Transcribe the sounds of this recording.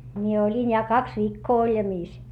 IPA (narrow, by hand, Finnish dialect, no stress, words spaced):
mie olʲin jɑ kɑks ʋiːkːoː olʲjɑmiːs